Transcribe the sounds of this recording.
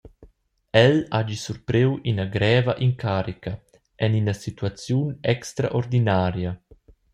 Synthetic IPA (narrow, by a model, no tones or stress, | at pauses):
ɛlad͡ʒisuɾpɾewinaɡɾɛːvɐʔiŋkʰaːɾikɐ | ʔɛninɐsit̪uat͡sjunɛkst̪ɾa̰ʔoɾd̪inaːɾja